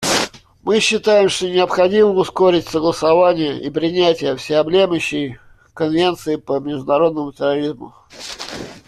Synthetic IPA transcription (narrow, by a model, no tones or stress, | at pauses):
mɨɕːɪt̪ajɪmʂt̪onʲɪəpxɐdʲiməmʊsko̞ɾʲɪtʲsəɡlˠəsɐvanʲɪjəʔipɾʲɪnʲætʲɪjəfsʲɪɐblʲeməɕːɪj | kənvʲe̞nt̪sɨɪpəmʲɪʐd̪ʊnɐɾo̞d̪nəmʊtʲɪrɐɾʲizmʊ̰